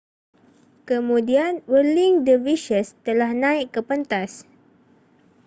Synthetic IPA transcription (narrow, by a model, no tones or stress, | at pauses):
kəmudianwəliŋdəviʃəst̪əlahnãikːəpənt̪as